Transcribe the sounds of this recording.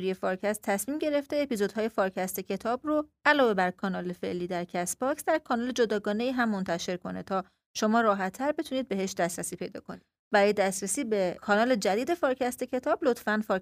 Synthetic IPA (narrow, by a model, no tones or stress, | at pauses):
ɾije̞fɒɾcʰæst̪ʰːæsmiːmɟe̞ɾe̞ft̪e̞ːpizod̪hɒːje̞fɒːɾcʰæst̪ʰecʰe̞t̪ʰɒːbroʔælɒːve̞bæɾkʰɒnɒːle̞fe̞̰ʔliːd̪æɾcʰæsbɒcsd̪æɾkʰɒnɒːle̞d͡ʒod̪ɒːɡɒːne̞iːɦæmːont̪ʰæʃe̞ɾkʰo̞ne̞t̪ʰɒː | ʃo̞mɒːɾɒːɦæt̪ʰːæɾbe̞t̪ʰuniːd̪̚be̞ɦeʃd̪æst̪ɾæsiːpʰe̞jd̪ɒ̰ːkʰo̞nid̪ | bæɾɒːjed̪æst̪ɾæsiːbekʰɒːnɒːle̞d͡ʒæd̪iːd̪e̞fɒːɾcʰæst̪ecʰe̞t̪ʰɒːblot̪ʰfænfɒɾ